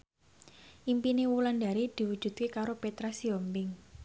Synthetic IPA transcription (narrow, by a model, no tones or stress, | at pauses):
ʔimpinewulanda̤ɾid̪̥i̤wud̥ʒ̥ṳd̪̚kekaɾopet̪ɾasiɔmbɪŋ